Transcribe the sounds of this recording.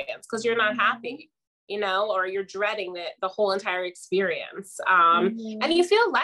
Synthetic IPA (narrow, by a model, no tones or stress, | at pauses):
ɨ̃nskʰʌzjə˞nət̚ɦæpi | jɨnoʊə˞jə˞dɹɛɾɪ̃ŋðɨt̪̚ðəhoʊlˠə̃ntʰaɪə˞ɨkspɪɹiɨ̰̃nsʌ̃mɨ̃njɨfilˠla